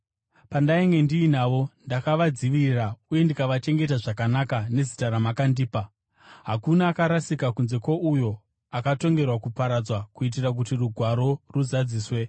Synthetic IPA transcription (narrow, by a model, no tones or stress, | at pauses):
pandaiŋɡe̞ndiːnaːʋo̞ndakaʋad͡ziʋirauje̞ndikaʋat͡ʃe̞ŋɡe̞taʐakanakane̞zitaɾamakandiːpa | ɦakunaːkaɾasikakunze̞kwoʔujo̞ | akato̞ŋɡe̞rwakupaɾad͡zwakuit̬irak̬utiruɡʱwaɾo̞ruzad͡ziːswe̞